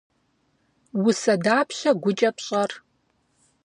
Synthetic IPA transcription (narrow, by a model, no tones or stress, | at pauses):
wʊsɐdaːpʰɕɐɡʷʊt͡ʃʼɐpɕʼɐr